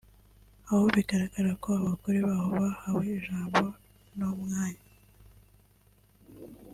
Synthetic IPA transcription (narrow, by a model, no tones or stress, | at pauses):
ahoβiɡaɾaɡaɾako̞aβakoɾeβahoβahaβeːʒaːmbo̞ | nomŋaːɲa